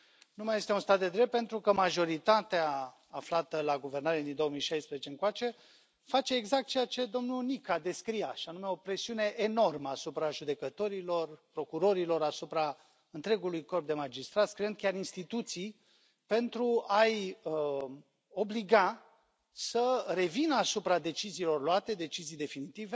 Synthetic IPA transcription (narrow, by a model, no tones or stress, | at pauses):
numaje̞st̪e̞unst̪at̪̚d̪e̞d̪ɾep̚pe̞nt̪ɾukəmaʒo̞ɾit̪at̪eaː | flat̪əlaɡuve̞rnaɾed̪ind̪o̞omijʃajspɾezet͡ʃe̞ɨŋkoat͡ʃe̞ | fat͡ʃe̞ːɡzak̚t̪̚t͡ʃejat͡ʃe̞d̪o̞mnunikad̪e̞skɾijaʃianume̞o̞pɾe̞siune̞ʔeno̞rməasupɾaʒud̪e̞kət̪o̞ɾilo̞rpɾo̞kuɾo̞ɾilo̞ɾasupɾa | ɨnt̪ɾe̞ɡulujko̞rp̚d̪e̞mad͡ʒist̪ɾat̪skɾeɨnd̪kʲaɾinst̪it̪ut̪sij | pe̞nt̪ɾuaj | o̞bliɡa | səre̞vinəasupɾad̪e̞t͡ʃiziːlo̞rloat̪e̞d̪e̞t͡ʃizijd̪e̞finit̪ive